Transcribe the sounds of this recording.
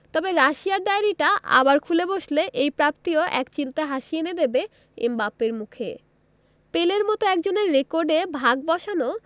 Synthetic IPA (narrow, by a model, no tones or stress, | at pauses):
t̪ɔbeɾaʃiaɾd̪aeɾiʈaʔa̰baɾkʰuleboʃleʔejpɾap̚t̪ioʔɛkt͡ɕilt̪eɦaʃiened̪ebe | ḛmbapːeɾmukʰe | peleɾmɔt̪oɛkd͡ʑoneɾːekoɾɖebʱaɡ̚bɔʃano